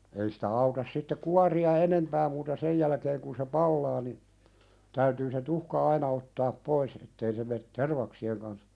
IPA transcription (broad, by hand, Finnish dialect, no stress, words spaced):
ei sitæ ɑutɑs sitːe kuɑriɑ enempæː muːtɑ sej jælæ̆keːŋ kun se pɑlːɑː ni tæytyː se tuhkɑ ɑinɑ otːɑːp pois etːei se met terʋɑksieŋ kɑns